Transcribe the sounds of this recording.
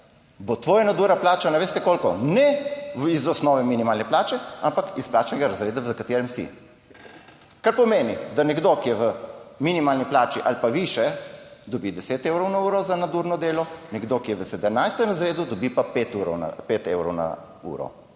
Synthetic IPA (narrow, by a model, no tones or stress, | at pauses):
bot̪ʋoːjanad̪uɾnaplaːt͡ʃanaʋeːst̪ɛkoːlkɔnɛizɔsnɔːʋɛminimaːlnɛplaːt͡ʃɛampakisplaːt͡ʃnɛɡaɾazɾeːd̪azakat̪eːɾɛmsḭ | kaɾpɔmeːnid̪anɛɡd̪okijɛʋəminimaːlniplaːt͡ʃiʔa̰lpaʋiʃɛd̪ɔbid̪ɛseːt̪eːwɾɔwnauːɾɔzanad̪uɾnɔd̪eːlɔnɛɡd̪okijɛʋəsɛd̪əmnajst̪ɛmɾazɾeːd̪ud̪ɔbipapet̪uɾɔna̰pet̪ewɾɔwna̰ | ṵːɾɔ̰